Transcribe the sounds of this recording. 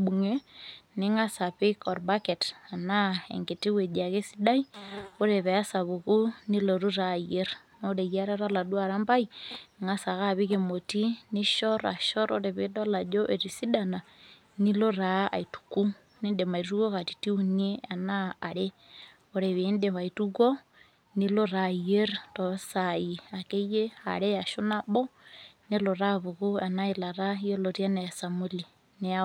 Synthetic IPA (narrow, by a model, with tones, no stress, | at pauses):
bu˨ŋe˦ne˦ŋa˦sa˨pekɔ˨ɾbakɛ˨ta˨na˦ḛ˨ŋɡe˨ti˦we˨d͡ʒa˨ke˦si˦da˦io˦ɾe˨βɛ˨a˦sa˨βuku˦ni˦lo˨ɾu˦ɾa˦˨je˦ɾ | no˦ɾe˨ja˦ɾa˦ɾa˦la˨dwa˨ɾa˦mba˦i˨ŋa˦sa˨ka˦βi˦kemo˨ti˦ne˦ʃɔ˦ɾa̰˨ʃɔ˦ɾoɾe˨βe˦da˦la˨d͡ʒo˦ʔe˨ɾisi˦da˨na˨ | ni˦lo˦ɾa˨˦a̰˨itu̥ku˦ | ne˦nde˨ma˨i˨tu˦kɔ˦ka˨ti̥˨ti˦u˦nie˦a˨naː˦˨ɾe˦ | o˨ɾe˨βende˨βa˨itu˦kɔ˦ | ni˦lo˦ɾa˨ie˦ɾtɔ˨saia˨ke˦je˦a̰˨ɾe˦ja˨ʃo˦na˦bɔ˦ne˦lo˨ɾa˦βu˨ɣu˦a˨na˦ela˨ɾa˦ije˦loɾja˦ne˨a˨sa˨muli˨ | ne˨a